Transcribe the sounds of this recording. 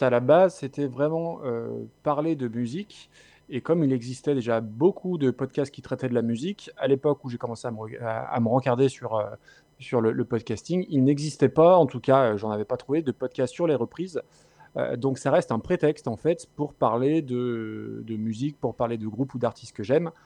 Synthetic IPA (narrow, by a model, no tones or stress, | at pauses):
alabazset̪ɛvʁɛmɑ̃ø̰paʁled̪əmyzik | ekɔmilɛɡzist̪ɛd̪eʒabokʰud̪əpɔd̪̚kʲast̪̚kʲit̪χɛt̪ɛd̪əlamyzikalepɔkuʒekɔmɑ̃seaməəa̰a̰məʁɑ̃kaʁd̪esyʁø | syʁlələpɔd̪̚kʲast̪iŋilnɛɡzist̪ɛpaɑ̃t̪ukaøʒɑ̃navɛpat̪χuved̪əpɔd̪̚kʲast̪syʁleʁəpχiz | ø̰d̪ɔ̃ksaʁɛst̪ɛ̃pχet̪ɛkst̪ɑ̃fɛt̪puʁpaʁled̪əd̪əmyzik̚puʁpaʁled̪əɡʁupud̪aʁt̪ʰist̪̚kəʒɛm